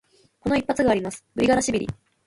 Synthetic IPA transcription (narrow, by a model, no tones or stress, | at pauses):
ko̞no̞ipːat͡sɨɡaːɾʲimasɨ̥bɯ̟ɾʲiɡaɾaɕibʲiɾʲḭ